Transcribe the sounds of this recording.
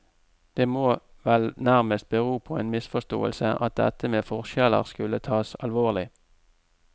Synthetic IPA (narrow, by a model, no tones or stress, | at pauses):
d̪̥eːmoːʋɛlnæʁməst̪̚bəʁuːpʰoːeːnmɪsfɔʂt̪o̰ːə̰lsəʔɑ̰t̪̚d̪ɛ̰t̪əmeːfɔʁʃɛlə̰ʁskʉlət̪ʰɑːsɑlʋoːʁlɪ